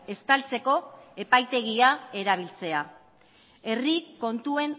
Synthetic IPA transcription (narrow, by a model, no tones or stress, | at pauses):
e̞st̪alt͡se̞ko̞e̞pajt̪e̞ɣiae̞ɾaβ̞ilt͡se̞a | e̞riko̞nt̪ue̞n